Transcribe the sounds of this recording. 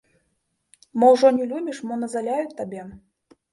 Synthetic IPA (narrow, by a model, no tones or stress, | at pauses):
mɔwʐɔnʲɛlʲubʲiʂmɔnɐzalʲajut͡sʲt̪ːabʲɛ